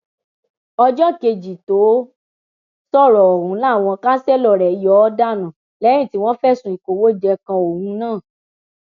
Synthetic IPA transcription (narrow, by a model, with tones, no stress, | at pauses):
ɔ˧d͡ʒɔ˦ke˧d͡ʒi˨to˨˦ | sɔ˦˨ɾɔ˨ɔ˨hũ˨˦la˦˨w̃ɔ̃˧ka˦sɛ˦˨lɔ˨ɾɛ˨˦jɔ˨˦ɔ˦da˦˨nã˨ | lɛ˨˦ɾ̃ĩ˦˨ti˨˦w̃ɔ̃˦fɛ˦sũ˧˨i˨ko˨wo˦d͡ʒɛ˧kã˧o˨hũ˧˦nãː˦˨